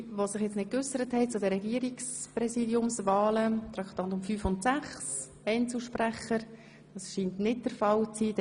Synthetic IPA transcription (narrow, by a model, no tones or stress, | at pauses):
ʋosɪχjɛt͡snɪt̚kʏsəɾəthɛɪt͡sʊdəɾɛɡiəɾiksprɛsiːdjʊmsvɑːlət̪ɾɑktɑntʊmfyːfʊntsæχs | ɛɪnt͡sl̩ʃpræχəɾ | d̥ɑsʃiːntnɪt̚d̥əɾfɑlt͡siːd